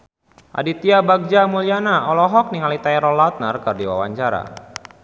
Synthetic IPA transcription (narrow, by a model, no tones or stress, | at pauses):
ʔa̰dit̪iabaɡ̚d͡ʒamulianaɔlɔɦɔk̚niŋalit̪aɛɾɔlat̪̚nərkɨrdiwa̰waɲt͡ʃaɾa̰